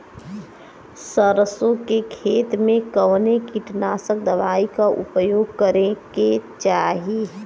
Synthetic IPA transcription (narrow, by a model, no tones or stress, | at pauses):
səɾəsõkekʰeːt̪mẽkəʋnekiʈnaːsək̚d̪əʋaːikaʔʊ̰pəjoːɡ̚kəɾẽket͡ʃaːɦi